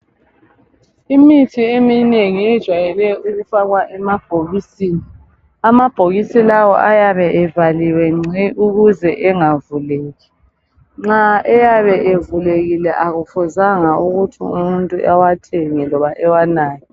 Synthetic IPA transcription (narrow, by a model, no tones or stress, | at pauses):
imitʰiemineŋiɛd̥ʒ̥ʱwajɛlɛjɔʔuɣufaɣwaʔɛmab̥ʱoɣisiːni | amab̥ʱoɣisilawɔ̰ʔajaβɛʔɛvaliwɛŋ͡ǀʱiʔuɣuzɛʔɛŋavuleːɣi | ŋ͡ǁaɛjaβɛʔevuleɣilɛʔaɣufuzaŋauɣutʰḭṵmuntʼuʔawatʰeŋilɔβaʔɛwanaːjɔ